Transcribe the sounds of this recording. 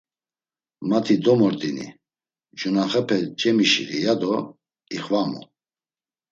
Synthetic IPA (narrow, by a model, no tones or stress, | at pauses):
mat̪ʰid̪ɔmɔɾt̪ʼinḭ | d͡ʒunaχɛpʰɛt͡ʃʼɛmiʃḭɾḭjad̪ɔ | iχvamṵ